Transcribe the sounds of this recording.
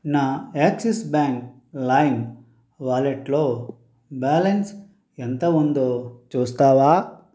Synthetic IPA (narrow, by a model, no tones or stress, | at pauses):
naːeksisbaːŋk | lajn | ʋaːleʈloː | baːlens | ent̪ɐund̪oːt͡ʃuːst̪aːʋaː